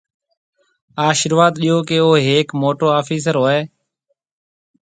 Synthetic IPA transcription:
aːʃəɾʋaːd̪ɗiːoːkeːoːɦeːkmoːʈoːaːfiːs̬əɾɦoːeː

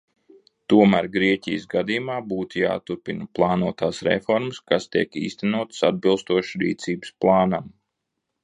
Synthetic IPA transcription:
t̪uɔmæːɾɡɾiɛcʲijəsɡad̪ijumaːbuːt̪uja̰ːt̪uɾpinplˠɑːnuɔt̪aːsɾḛfɔɾməskast̪iɛkḭːst̪ænuɔt̪ə̥sad̪̚bilˠst̪uɔʃɾḭːt̪siːbsplˠɑːnam

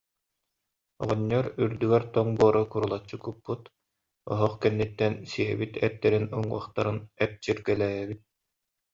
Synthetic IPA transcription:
ɔ̰ʁɔɲːɔɾyɾd̪yɡɛɾt̪ɔŋbuɔɾɔkuɾulˠat͡ɕːɯkupːut̪ | ɔ̰ɦɔχkɛnːit̪ːɛnsiɛ̰bit̪ɛt̪ːɛɾinuŋṵɔχt̪aɾɯnɛp̚t͡ɕiɾɡɛlɛːɦɛbit̪̚

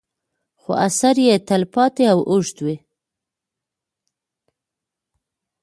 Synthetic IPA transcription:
xo̰asaɾjet̪alpɑt̪eawʔʊʐt̪wi

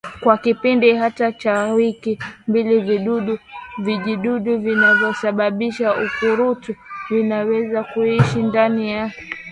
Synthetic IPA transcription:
kwakipindihatat͡ʃawikimbiliviɗuɗuviʄiɗuɗuvinavjɔsaɓaɓiʃaukuɾutuvinawɛzakuiʃindanija

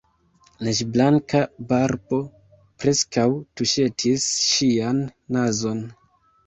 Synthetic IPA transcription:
laʃblaŋkabaɾbo̞ | pɾe̞skawtuʃe̞tʰisʃianːazo̞n

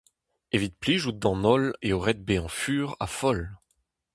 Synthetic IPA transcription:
evit̪̚pliʒud̪ɑ̃nɔleɔʁɛt̪̚beɑ̃fyːʁa̰fɔl

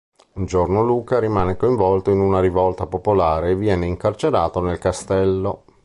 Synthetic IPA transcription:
und͡ʒornoluːkaɾimaːnekoiɱvɔlt̪oinunaɾivɔlt̪apopolaːɾeːvːjɛːneiŋkart͡ʃeɾaːt̪onelkast̪ɛlːo

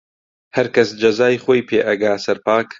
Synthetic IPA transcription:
hɐɾkɐsd͡ʒɐzaːjχoːjpʰeːʔɐɡaːsɐɾpaːk

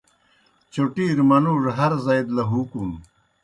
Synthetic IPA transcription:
t͡ɕoʈiːɾmɐnuːʐɦɐɾzajd̪lɐɦukum

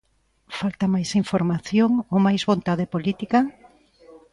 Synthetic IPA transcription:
falt̪ɐmajsiɱfoɾmaθjoŋowmajzβont̪aðepolit̪ika

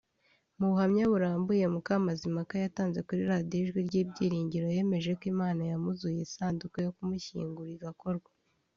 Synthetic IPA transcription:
muβuhamɲaβuɾaːmbuje̞mukamazimakajataːnzwe̞kuɾiɾadioʒɡwiɾɟiːbɟiːɾiːɲɟiɾo̞je̞ːme̞ʒe̞kwimaːnajamuzujesaːndukojo̞kumuçḭːŋɡuɾiɡako̞ɾɡwḁ

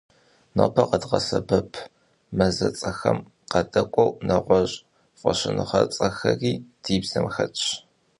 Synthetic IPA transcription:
nɐpʰɐqɐdʁɐsɐbɐpʰ | mɐzɐt͡sʼɐxɐm | qɐdʼɐkʷʼɔwnɐʁʷɔɕʼ | fʷʼɔɕɪnɨχɐt͡sʼɐxɐriːd̥iːbzɐmxɐt͡ʃʼ

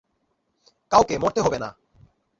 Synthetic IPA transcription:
kawkemoɾt̪eɦɔbena̰

